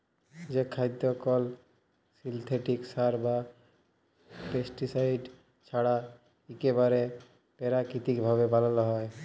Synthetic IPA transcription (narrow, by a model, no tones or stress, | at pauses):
d͡ʑekʰajd̪ːɔkɔl | silt̪ʰeʈiksaɾba | pesʈisajɖ | t͡ɕʰaɽa | ekebaɾe | pɛɾakɾit̪ikbʱaβebʱalalɔɦɔe